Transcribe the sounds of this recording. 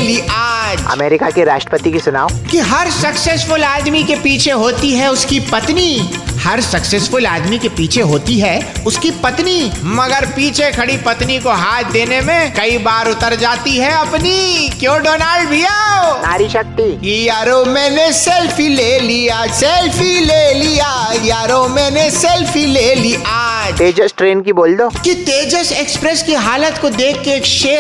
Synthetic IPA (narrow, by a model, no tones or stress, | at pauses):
liʔaːd͡ʒɐ̰meːɾɪkakiɾaːʃʈɾə̥pət̪ikisʊna̰ːokiɦɐɾsɐkseːsfʊlaːd̪mikepiːt͡ʃʰeɦoːt̪iɦɛʊskipɐt̪nihɐɾsɐkseːsfʊlaːd̪mikepiːt͡ʃʰeɦoːt̪iɦɛʊskipɐt̪nimɐɡəɾpiːt͡ʃʰekʰɐɽipɐt̪nikoɦaːt̪̚ʰd̪eːnemẽkɐibaːɾʊt̪əɾd͡ʒaːt̪iɦɛɐpnikjõːɖoːnaːlɖbʱijaona̰ːɾiʃɐk̚t̪iːijaːɾomɛ̃ːnesɛlfʰileːlijasɛlfileːlijajaːɾomɛ̃ːnesɛlfʰileːliʔaːd͡ʒt̪eːd͡ʒəsʈɾeːnkiboːld̪oːkit̪eːd͡ʒəseːkspɾɛskiɦaːlət̪kod̪eːkʰːeeːkʃeː